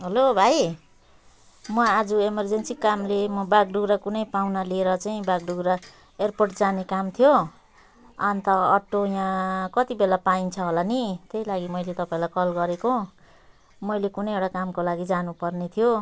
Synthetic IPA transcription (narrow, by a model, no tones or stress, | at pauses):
ɦʌlobʱaj | mʌad͡zuemʌrd͡zensikːamlemʌbaɡ̚ɖuɡɾakunʌjpawnalieɾʌt͡saĩbaɡ̚ɖuɡɾa | erporʈd͡zanekamt̪ʰijo | ʌnt̪ʌːʈːojãkʌt̪ibelapaint͡sʰʌɦolanit̪eilaɡimʌjlet̪ʌpaĩlajkʌlɡʌɾeko | mʌjlekunʌjewɽakamkolaɡid͡zanupʌrnet̪ʰijo